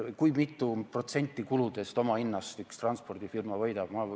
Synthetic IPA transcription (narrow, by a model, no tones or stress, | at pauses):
kujmit̪ːˑupro̞t̪se̞nʲt̪ːˑikulud̪̥e̞st̪o̞mɑinːɑst̪ykst̪rɑnspo̞rd̪̥ifirmɑvɤjd̪̥ɑb̥mɑ